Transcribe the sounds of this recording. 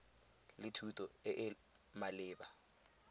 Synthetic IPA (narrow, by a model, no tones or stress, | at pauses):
lɪtʰutʼɔɪʔɪ | malɪːba